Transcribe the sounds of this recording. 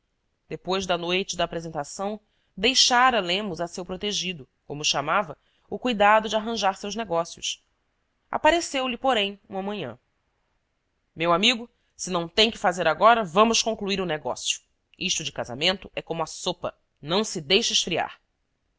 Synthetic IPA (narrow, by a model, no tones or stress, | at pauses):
d̪̥epojzd̪ɐnojt͡ʃɪd̪ɐaːpɾezẽnt̪asɐ̃w̃ | d̪ejʃaɾɐlẽmʊzɐsewpɾot̪eʒid̪ʊ | kõmʊʃamavɐ | ʊkujd̪ad̪ʊd͡ʒɪaɦɐ̃ʒaɾsewʒneɡɔsjʊ̰s | a̰paɾesewlɪpoɾẽj̃ũɐmɐ̃ɲɐ̰̃ | mewamiɡʊ | sɪnɐ̃w̃t̪ẽj̃kɪfazeɾaɡɔɾɐvɐ̃mʊʃkõŋkluiɾʊneɡɔ̰sjʊ̥ | iʃt̪ʊd͡ʒɪkaza̰mẽnt̪ʊɛkõmʊasopɐ̰ | nɐ̃w̃sɪd̪ejʃɐɪʃfɾia̰ɾ